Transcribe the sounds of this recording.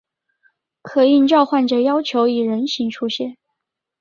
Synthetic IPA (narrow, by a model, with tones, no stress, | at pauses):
kʰɤ˨˩i˥˧ŋʈ͡ʂɑ˥˧ʊxwa˥˩nʈ͡ʂə˨˩jɑ˥ʊt͡ɕʰjo˧˥ʊi˨˩ɻə˧˥nɕi˧˥ŋʈ͡ʂʰu˥ɕjɛ˥˩n